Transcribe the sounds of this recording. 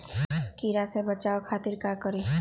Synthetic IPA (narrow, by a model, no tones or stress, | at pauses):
kiɾasebət͡ʃaːokʰaːt̪ɪɾkakəɾe